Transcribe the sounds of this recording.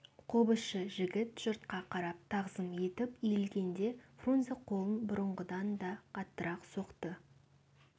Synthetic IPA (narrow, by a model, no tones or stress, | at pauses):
qʰobəʃəʒɪɡʲɪt̪ʒ̥ʊɾt̪̚qɑqʰɑɾɑp̚t̪ʰɑʁzəmje̞t̪ɪpijlɡʲe̞nd̪e̞fronzeqʰo̞lˠənbʊɾəɴʁəd̪ɑnd̪ɑqʰɑt̪ːəɾɑqso̞qt̪ə